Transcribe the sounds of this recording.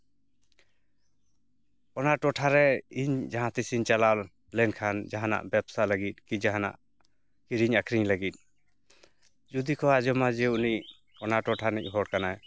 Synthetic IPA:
ɔnaʈɔʈʰaɾɛiɲd͡ʒaɦãt̪isiɲt͡ʃalal | lɛnkʰand͡ʒaɦana̰ʔbɛpsalaɡit̪̚ˀkid͡ʒaɦana̰ʔ | kiɾiɲakʰɾiɲlaɡit̪̚ˀ | d͡ʒud̪ikʰɔad͡ʒɔmad͡ʒɛuniʔ | ɔnaʈɔʈʰanic̚ˀɦɔɽkanaj

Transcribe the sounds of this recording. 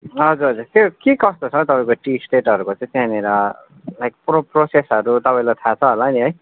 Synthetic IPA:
ɦʌd͡zuɾʌd͡zuɾt̪jokekʌst̪ot͡sʰʌt̪ʌpaĩkoʈisʈeʈʌɾukot͡sãĩt̪aneɾʌ | lajk̚proprosesɦʌɾut̪ʌpaĩlajt̪ʰat͡sʰʌɦʌlaniɦʌj

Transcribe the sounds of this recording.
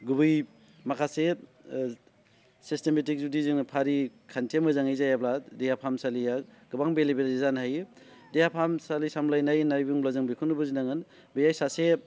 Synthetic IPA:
ɡubɯj | makʰase | sistemetik̚zudiziŋnɯpʰaɾikʰantʰemɯzaŋejzajabladejapʰamsalijaɡɯbaŋbelibeɾizanɦaj | dejapʰamsalisamlajnajnajbuŋblazɯŋbikʰunɯbɯzinaŋɯn | bejajsase

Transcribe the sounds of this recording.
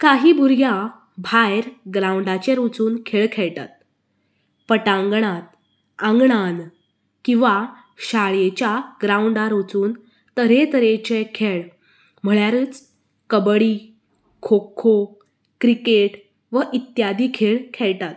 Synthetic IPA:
kaɦiːbʱuɾja | bʱajɾɡɾauɳɖat͡ɕẽɾot͡suːnkʰeɭkʰeɭt̪a̰t̪̚ | pəʈãŋɡɳat̪ | ãŋɡɳan | kĩw̃ʋa | ɕaɭjet͡ɕjaɡɾãuɳɖaɾot͡suːn | t̪əɾet̪əɾet͡ɕekʰeɭ | m̤əɭjaɾəːt͡s | kəbɭi | kʰokʰːo | kɾikeʈ | ʋəʔit̪jad̪iːkʰeɭkʰeɭt̪at̪

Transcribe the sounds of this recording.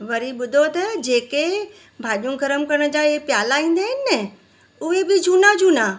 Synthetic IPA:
ʋɐɾiɓʊd̪ʱot̪ɐd͡ʑeːke | bʱaːʄũɡʱɐɾəmkɐɾəɽ̃̆d͡ʑaːepjaːlaĩːn̆d̪aːɦɪnɪnɛ | ʊɦebɪd͡ʑʱuːnad͡ʑʱuːna

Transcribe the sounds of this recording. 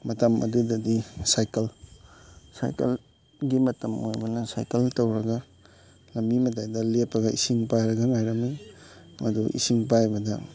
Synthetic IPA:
mɐtɐmʔɐ̰dudɐdisajkɐl | sa̰jkɐ̰l | ɡimɐtɐmojbɐnɐsa̰jkɐltɐwɾɐɡɐ | lɐmbimɐtajdɐlepʰːɐɡɐʔisiŋpajɾɐɡɐŋajɾɐmimʔɐduʔḭsiŋpajbɐdɐ

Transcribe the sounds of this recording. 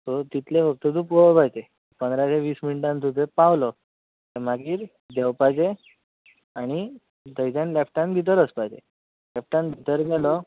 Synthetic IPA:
t̪ot̪it̪ʰleʋək̚t̪əd̪uːpɡopajt̪e | pənd̪ɾaseʋiːsminiʈãnt̪ʰut̪epãwlɔ | t̪əmaɡiːɾ | d̪ɛwpajd͡ʑe | aɽ̃i | d̪əjd͡z̪ãnlɛpʰʈãnbʱit̪̬əɾəspajd͡ʑḛ | lɛp̚ʰʈãnbʱit̪əɾɡalɔ

